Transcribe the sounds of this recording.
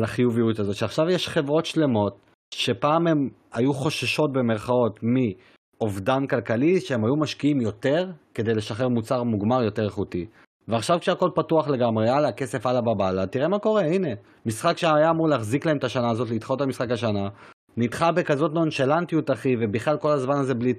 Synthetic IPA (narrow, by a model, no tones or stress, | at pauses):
laχijuvijutazo̞t̪ʃeaχʃavjeʃχe̞vʁo̞tʃle̞mo̞t̚ | ʃe̞paːmemajuχo̞ʃaʃo̞t̚be̞meʁχao̞tmi | ovdankalkaliʃeemajumaʃkiimjo̞te̞ʁke̞de̞jle̞ʃaχeʁmut͡saʁmuɡmaʁjote̞ʁeχuti | veaχʃavkʃeako̞lpatuaχle̞ɡamʁealake̞se̞falababalatiʁemako̞ʁe̞ine̞ | misχakʃeaajaːmuʁleaχziklae̞met̪aʃanaːzo̞t̬lit̪χotamisχakaʃana | nitχabekazo̞tnonʃelant̪ijutaχive̞biχlalko̞lazmanaze̞bli